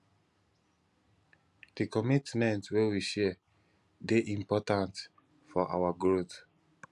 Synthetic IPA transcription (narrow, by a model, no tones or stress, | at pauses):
d̥ikɔmitmɛ̃ntwewiʃɛ | deʔĩmpɔtãnt | fɔʔa̰waɡɹot